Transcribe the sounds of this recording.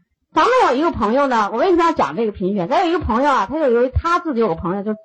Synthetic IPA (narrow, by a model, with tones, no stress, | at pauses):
t͡sa˧˥mə˥˧jo˨˩ʊi˧˥ɡə˧˩pʰɤ˧˥ŋjo˧ʊnə˩wɔ˨˩w̩ʰ˥˩˥jt͡ɕjɑ̰˨˩ŋʈ͡ʂɤ˥˩ɡə˩pʰi˧˥ŋɕɥɛ˧˥nt͡sa˧˥ji˧˥ə˧pʰɤ˧˥ŋjo˧ʊa˩t̪ʰa˥t͡ɕjo˥˩ʊjo˧˥ʊy˧˥t̪ʰa˥t͡sɹ̩˥˩t͡ɕi˧˥˩o˨˩˥pʰŋjo˧t͡ɕjo˥˩˥